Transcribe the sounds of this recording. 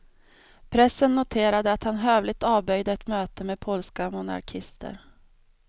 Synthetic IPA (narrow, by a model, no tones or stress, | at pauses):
pʰɾɛsːənːʊt̪ʰeːɾad̪əat̪hanɦøːvlɪɡ̚t̪ɑːvbœjd̪əɛt̪møːt̪əmeːd̪̚pʰɔlskamʊna̰ɾkʰɪst̪ʰə̰ɾ